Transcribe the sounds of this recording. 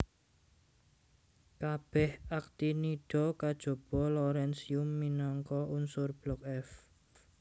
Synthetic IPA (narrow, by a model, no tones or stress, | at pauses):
kab̥ɛhak̚t̪iniɖ̥ɔ̤kad̥ʒ̥o̤b̥ɔ̤loɾɛnsiumːinɔŋkɔunsʊrb̥lɔk̚ɛf